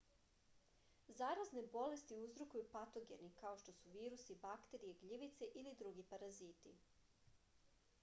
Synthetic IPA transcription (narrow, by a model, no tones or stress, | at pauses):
zaːɾazne̞bo̞le̞st̪iuzɾokujupat̪o̞ɡe̞̰nikao̞ʃt̪o̞suʋiːɾusibakt̪e̞ɾijeɡʎiʋit̪seʔilid̪ɾuɡipaɾaziːt̪ḭ